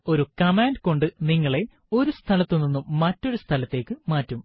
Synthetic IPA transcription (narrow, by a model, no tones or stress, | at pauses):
o̞ɾukɐmaːnɖko̞ɳɖɨniŋːɐɭe̞ | o̞ɾust̪ʰɐlɐt̪ːunːinːumːɐtːo̞ɾust̪ʰɐlɐt̪ːe̞ːkːɨmaːtːum